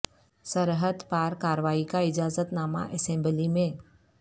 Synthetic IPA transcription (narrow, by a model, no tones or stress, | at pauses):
səɾɦəd̪paːɾkaːɾəʋaːikaɪd͡ʒaːzət̪naːma̰ʔesẽːmbəlimẽ